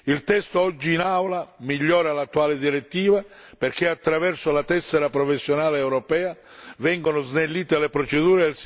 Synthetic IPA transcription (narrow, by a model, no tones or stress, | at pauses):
ilt̪ɛst̪oɔd͡ʒːiːnawlamiʎːɔːɾalat̪ːuaːlɪd̪iɾet̪ːiːva | perk̟ɪat̪ːɾavɛrsʊlat̪ɛsːeɾapɾɔfesːjonaːleːwɾɔpɛːa | vɛŋɡonʊznelːiːt̪elepɾɔt͡ʃed̪uːɾels